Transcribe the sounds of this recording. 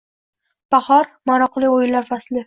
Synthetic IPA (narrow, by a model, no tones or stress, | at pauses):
b̥ahɒɾmaɾɒqʰlˠɪojɪllːaɾfaslɪ